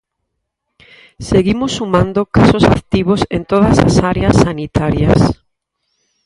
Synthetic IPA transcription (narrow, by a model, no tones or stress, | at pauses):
seɣimʊsːumãnd̪okasosa̰kt̪iβosent̪oðɐsa̰saɾeasːanit̪aɾjɐs